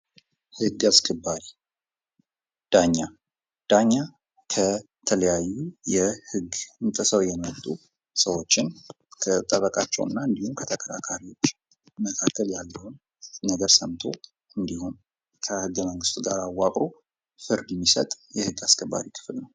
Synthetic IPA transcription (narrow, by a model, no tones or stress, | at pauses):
hɨɡaskʰəbːaɾi | d̪̥aɲːa | d̪̥aɲːa | kʰə | t̪ʰələjajːujɛhɨɡɨnt̪ʼəsəwjɛmət̪ʼːu | səwo̞t͡ʃːɪn | kʰət̪ʼəβəkʼat͡ʃːɛ̰wɨ̰nːaɨnd̪ihumkʰət̪ʰəkʰəɾa̰kʰaɾiwo̞t͡ʃː | məkʰakːəljalːəhunː | əɡəɾsəmt̪ʰo̞̰ | ɨnd̪ihum | kʰəhɨɡːəməŋɡɨst̪ʼɡaɾawːakʼɾo | fɨɾd̪ɛmːisət̪ʼjɛhɨɡːaskʰəbːa̰ɾikʰɨ̥flnəw